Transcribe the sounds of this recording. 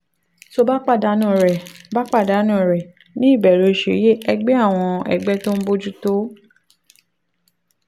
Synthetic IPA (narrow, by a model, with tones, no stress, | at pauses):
so˧ba˦k͡pa˦˨da˨˦nũ˦˨ɾɛ˨ba˦k͡pa˦˨da˨˦nũ˦˨ɾɛ˨ | nĩ˦i˦˨bɛ˨ɾo˨ʃḛ˨˦je˦ɛ˧ɡ͡bɛ˦a˦˨w̃ɔ̃˧ɛ̰˨ɡ͡bɛ˦to˦m̩˦bo˦d͡ʒu˦to˦